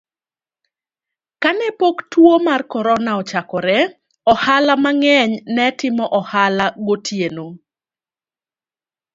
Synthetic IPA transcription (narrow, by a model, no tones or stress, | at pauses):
kanɛpoktwomarkɔɾɔnaɔt͡ʃakɔɾɛ | ɔhalamaŋɛɲnɛtɪmɔʔɔhalaɡotʰjeno